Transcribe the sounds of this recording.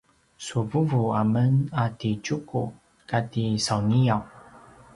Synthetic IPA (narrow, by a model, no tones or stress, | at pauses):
suvuvuamənatit͡ʃuku | katisawnijaw